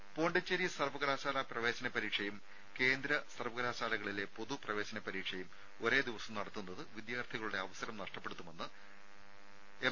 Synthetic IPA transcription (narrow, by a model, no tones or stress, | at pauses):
po̞ːɳɖɐt͡ɕːɐɾisɐrʋɐɡɐɾaːɕaːlɐprɐʋe̞ːɕɐnɐpɐɾiːkʂɐjum | ke̞ːnd̪ɾɐsɐrʋɐɡɐɾaːɕaːlɐɣɐɭile̞po̞ðuprɐʋe̞ːɕɐnɐpɐɾiːkʂɐjum | o̞ɾe̞ːd̪iʋɐsɐmnɐɽɐt̪ːunːɐðɨʋid̪jaːrt̪ʰiɣɐɭuɽe̞ɐʋɐsɐɾɐmnɐʂʈɐpːe̞ɽut̪ːumenːɨ | e